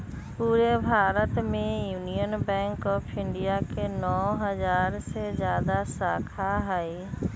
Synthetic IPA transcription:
puːɾebʱaːɾət̪mẽjuːnijənbɛ̃ːŋkɔːpʰɪ̃ɳɖijakenɔːɦəzaːɾsezjaːd̪asaːkʰaɦɛi

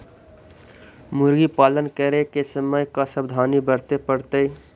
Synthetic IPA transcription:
muɾɡipalənkəɾekesəməjkasəbd̪ʱanibəɾt̪epəɾt̪əi

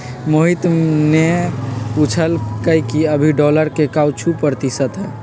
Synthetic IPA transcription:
moɦit̪ne | ut͡ʃʰəlkəikiəbʱiɖɔləɾkekawt͡ʃʰupəɾt̪isət̪ɦɛ

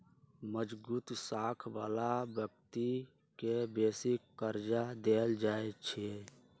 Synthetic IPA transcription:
məd͡ʒbuːt̪saːkʰʋa̰ːlabjək̚t̪i | kebeːsikːkəɾd͡ʒad̪eːld͡ʒaːet͡ʃʰe

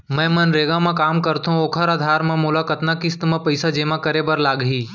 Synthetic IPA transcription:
mɛ̃ːmɐnɾeːɡãmẽkaːmkɐɾt̪ɦũoːkʰəɾaːd̪ʱaːɾmẽmʊlaːkət̪nakist̪mãpɐɪsad͡ʒeːmãkɐɾebɐɾlaːɡɦiː

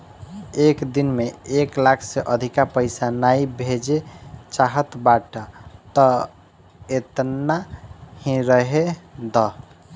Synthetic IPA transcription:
ekd̪inmeeklakʰseʔəd̪ʱikapəɪsanaibʱed͡ʒet͡ʃaɦət̪baʈət̪ə | et̪nahĩɾəɦed̪ɔ

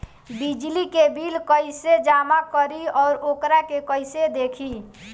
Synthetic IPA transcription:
bid͡ʒlikebilkəɪsed͡ʒamakəɾiɔːɾokɾakekəɪsed̪ekʰi

